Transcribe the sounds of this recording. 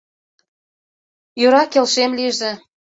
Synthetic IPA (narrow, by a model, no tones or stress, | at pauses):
jøɾɑkelʃemliʒĕ